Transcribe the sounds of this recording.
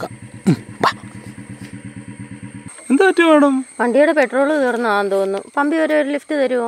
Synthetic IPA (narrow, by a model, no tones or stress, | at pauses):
kaba | end̪aːtːɐmejɳɐmpɐɳɖijuɽepe̞ʈro̞ːɭɨt̪urɐnːuʋaːnt̪oːunːṵpɐmbioɾuoɾliftːɨt̪ɐɾuʋɐ